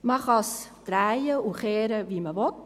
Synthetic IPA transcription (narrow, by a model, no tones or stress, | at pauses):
məχɑsd̥ɾæjəuχeːɾəviməvɔt